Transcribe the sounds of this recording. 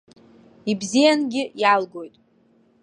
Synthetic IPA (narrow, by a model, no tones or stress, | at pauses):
ibzijanɡʲɪjalɡo̞jtʼ